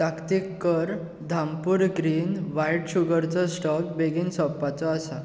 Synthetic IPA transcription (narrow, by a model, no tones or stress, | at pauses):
t̪akt̪ikːəɾ | d̪ʱampuːɾɡɾiːnʋajʈɕuɡəɾt͡sɔsʈɔkbeɡiːnsɔpːat͡sɔasa